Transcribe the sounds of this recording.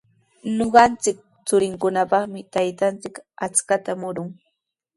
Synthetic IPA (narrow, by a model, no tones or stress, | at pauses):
noɢɑnt͡sɪk̚ | t͡sʊɾɪŋkʊnapɑχmɪt̪ajt̪ant͡sɪkat͡skat̪amʊɾʊŋ